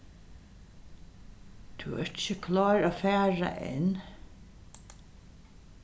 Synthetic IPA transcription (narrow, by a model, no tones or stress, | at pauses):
t̪ʰʉːɛ̰ɹt͡ɕəkʰlɑːɹaːfæːɹa̰ʔɛ̰n